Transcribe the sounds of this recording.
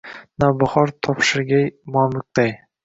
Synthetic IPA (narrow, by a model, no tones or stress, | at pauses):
nabʊχɒɾt̪ʰɒpʃɪɾɡʲajmamɪk̚ʲd̪aj